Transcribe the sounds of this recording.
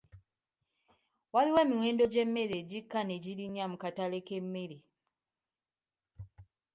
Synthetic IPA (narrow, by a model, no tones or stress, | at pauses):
waliwe̞ːmiwe̞ːndo̞ɟe̞mːeɾeɟikːaneɟiɾiɲamukatale̞ke̞mːeɾi